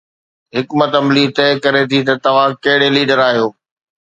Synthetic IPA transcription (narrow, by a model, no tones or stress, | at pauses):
ɦɪkmət̪ɐmliːt̪ɛːkɐɾet̪ʰit̪ɐt̪ɐʋ̤ãkɐɦɪɽeliːɖəɾaːɦijoː